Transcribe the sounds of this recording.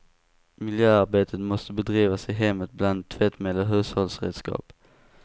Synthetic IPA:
mɪljøːaɾbeːt̪ʰət̪mɔst̪əbɛd̪ɾiːvasɪɦɛmːət̪̚bland̪t̪ʰːvɛt̪mɛlːəɦʉ̟ːshɔlsɾḛːd̪skɑ̰ːp

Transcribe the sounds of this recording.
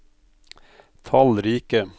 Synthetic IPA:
t̪ʰɑlɾiːkə

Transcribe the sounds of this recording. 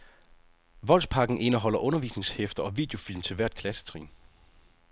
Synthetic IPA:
ʋɒ̽l̰spʰɑ̈ɡ̥n̩ʔe̝nɐɦɒ̽l̰ɐʔɔ̽nɐʋḭːsne̝ŋshefd̥ɐɒ̽ʋḭːd̥e̝o̝filmt͡sʰe̝ʋæɐ̰d̥̚kʰlæsə̥t͡sʰʁḭːn

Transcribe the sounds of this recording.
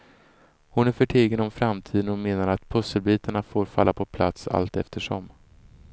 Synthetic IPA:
hʊnæɾfœʈʰeːɡənɔmfɾamt̪ʰiːd̪ənɔmeːnaɾat̪pʰɵsːəlbiːt̪aɳafoːɾfa̰lːapʰɔpʰla̰t̪sa̰lt̪ɛ̰ft̪əʂɔ̰m

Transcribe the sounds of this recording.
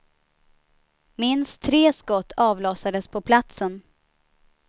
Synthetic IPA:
mɪnst̪ʰːɾeːskɔt̪ʰːɑːvlɔːsad̪əspʰɔpʰlat̪sən

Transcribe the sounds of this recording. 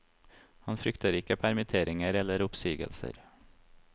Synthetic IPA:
hɑnfɾʏkt̪əɾɪkəpʰæɾmɪt̪ʰeːɾɪŋəɾɛləɾʊpsiːɡə̰lsə̰ɾ

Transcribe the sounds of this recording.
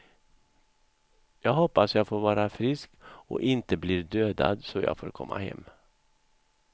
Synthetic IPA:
jɑːɡhɔpːasjɑːɡfoːɾvɑːɾafɾɪskɔ̰ʔɪnt̪əbliːɾd̪øːd̪a̰d̪sɔjɑ̰ːɡfoːɾkʰɔmːa̰hɛ̰mː

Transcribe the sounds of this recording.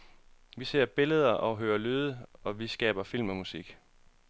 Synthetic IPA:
ʋise̝ɐ̰b̥e̝ləð̞ˠɐʔɒ̽ɦøːɐløːðˠəɒ̽ʋisɡ̥ɛ̰ːb̥ɐfil̰mɒ̽musiɡ̥

